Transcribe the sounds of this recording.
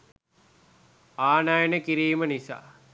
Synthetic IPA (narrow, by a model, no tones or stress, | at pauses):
aːnajənəkiɾiːmənisa̰ː